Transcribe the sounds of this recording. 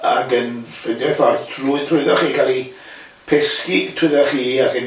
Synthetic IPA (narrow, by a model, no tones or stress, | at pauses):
akənfɪndɛfɔrtʰruɨtʰrʊɨðɔχiːkʰalˠi | pʰɛskitʰrʊðɔχiːakən